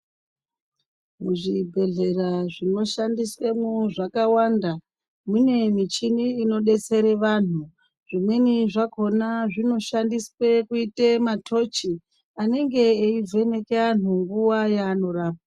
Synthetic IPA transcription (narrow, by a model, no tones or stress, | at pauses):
muʐibʱe̞ɮe̞raʐino̞ʃandiswemuʐakawanda | mune̞mit͡ʃiniːno̞ɗe̞t͡se̞ɾe̞ʋan̤u | ʐ̥imwe̞niʐako̞naʐino̞ʃandiswe̞kuitematʰo̞t͡ʃi | ane̞ŋɡe̞ːivʱe̞ne̞ke̞an̤uŋɡuʋajaːno̞raːp̚a